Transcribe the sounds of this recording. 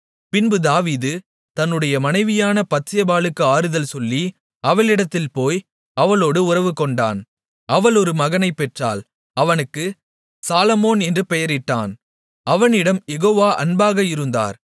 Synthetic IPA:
pɪnbɯd̪aːʋiːðɯ | t̪ɐnːɯɽɐjɐmɐnɐɪʋɪjaːnɐpɐt̪sɪjɐbaːɭɯkːɯaːɾɯðɐlsɔlːi | ɐʋɐlɪɽɐt̪ːɪlpoːj | ɐʋɐloːɽɯʊrɐʋɯkɔɳɖa̰ːn | ɐʋɐlɔɾɯmɐɣɐnɐɪpːɛʈra̰ːl | ɐʋɐnɯkːɯ | saːlɐmoːnɛndrɯpɛjɐɾɪʈːa̰ːn | ɐʋɐnɪɽɐmjɛɣoːʋaːʔɐ̰nbaːɣɐjɪɾɯnd̪a̰ːɾ

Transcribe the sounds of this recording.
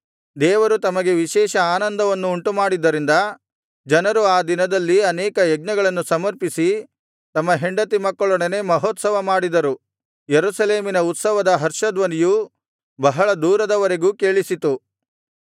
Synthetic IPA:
d̪ɛːʋɐɾut̪ɐmɐɡe̞ʋiʃɛːʃɐaːnɐnd̪ɐʋɐnːuːɳʈumaːɽid̪ːɐɾind̪ɐ | d͡ʒɐnɐɾuaːd̪inɐd̪ɐlːiɐnɛːkɐjɛɡ̚nɐɡɐɭɐnːusɐmɐɾpisi | t̪ɐmːɐɦeɳɖɐt̪imɐkːɐɭɔɳene̞mɐɦɔːt̪sɐʋɐmaːɽid̪ɐɾu | jeɾusɐleːminɐut̪sɐʋɐd̪ɐɦɐɾʂɐd̪ʋɐniju | bɐɦɐɭɐd̪uːɾɐd̪ɐʋɐɾe̞ɡuːkeːɭisit̪u

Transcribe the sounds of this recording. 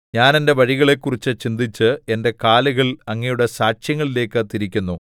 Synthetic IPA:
ɲaːne̞nde̞ʋɐɻiɣɐɭe̞kːurit͡ɕːɨt͡ɕind̪it͡ɕːɨe̞nde̞kaːluɣɐɭɐŋːijuɽe̞saːʂjɐŋːɐɭile̞ːkːɨt̪iɾikʲːunːu

